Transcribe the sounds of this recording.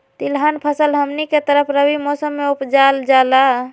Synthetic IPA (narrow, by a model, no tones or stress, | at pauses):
t̪ilɦanpʰəsəlɦəmniket̪əɾəpʰɾəbimɔsəmːeupd͡ʒald͡ʒala